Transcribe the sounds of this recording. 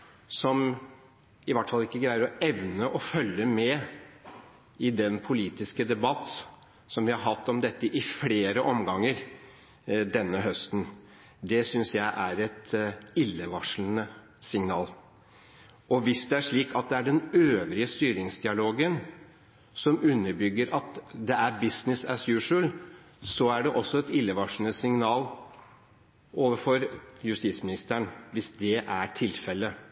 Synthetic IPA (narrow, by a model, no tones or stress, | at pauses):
sɔm | ɪʋɑʈːəfɑlːɪkːəɡɾæɪəɾɔɛʋnəʔɔfœlːəmɛ | ɪd̪ɛnpʰʊliːt̪ɪskəd̪ɛbɑt̪ː | sɔmʋɪhɑɾɦɑt̪ːɔmd̪ɛt̪ːəʔɪfleːɾəʔɔmɡɑŋːəɾ | d̪ɛnːəɦœst̪n̩ | d̪ɛsʏnsjæɪʔæɾɛt̪ɪlːəʋɑʂlənə | sɪŋnɑːl | ʔɔʋɪsd̪ɛæʂɭiːkʰɑt̪̚d̪ɛæɖɛnøːʋɾɪəst̪yːɾɪŋsd̪ɪɑloːɡən | sɔmʉnːəɾbʏɡːəɾɑt̪d̪ɛæɾbɪsnɪsæsjʉːʂəl | sɔæɖɛʔɔsːɔɛt̪ɪlːəʋɑʂln̩əsɪŋnɑːl | ʔoːʋəɾfɔɾjʉst̪iːsmɪnɪst̪əɳʋɪsd̪ɛʔæʈʰɪlfɛlːə